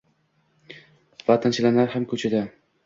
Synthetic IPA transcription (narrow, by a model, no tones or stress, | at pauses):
vat̪ʰant͡ʃʰalanaɾhamkʰɵt͡ʃʰad̪a